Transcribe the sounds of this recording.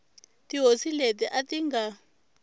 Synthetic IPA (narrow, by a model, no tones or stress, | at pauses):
tʼiɦosiletʼɛʔatʼiŋɡa